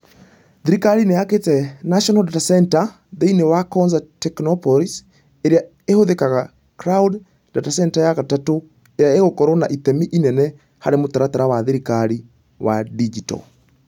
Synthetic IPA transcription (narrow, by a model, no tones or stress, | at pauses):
ðiɾikaɾinejaketɛnaʃɔnadatasɛnta | ðeinewakɔnzatɛknɔpɔlis | eɾea | ehoðekaɣa | kɾawd | datasɛntajaɣatato | eɾeaeɣokɔɾonaʔiθɛmiʔinɛnɛ | ha̰ɾemotaɾataɾawaðiɾikaɾi | wa̰did͡ʒitɔ̰